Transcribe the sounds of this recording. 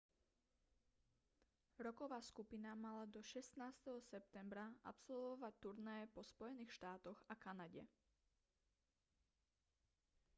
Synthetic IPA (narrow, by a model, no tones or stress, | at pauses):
ɾɔkɔʋaːskupinamalad̪ɔʃɛst̪naːst̪ɛɦɔsɛp̚t̪ɛmbɾaʔa̰psɔlʋɔʋac̚t̪uɾnɛːɛpɔspɔjɛniːxʃt̪aːt̪ɔɣakanaɟɛ̰